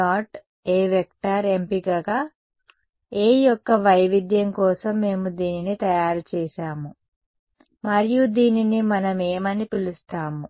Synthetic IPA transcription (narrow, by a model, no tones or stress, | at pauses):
aːʈ | eːʋek̚ʈaːɾempikaɡaː | eːjɔkːɐʋɐjʋid̪jɐŋkɔːsɐmːe̞ːmud̪iːninit̪ɐjaːɾut͡ʃɛːʃaːmu | mɐɾijud̪iːninimɐnɐmeːmɐnipilust̪aːmu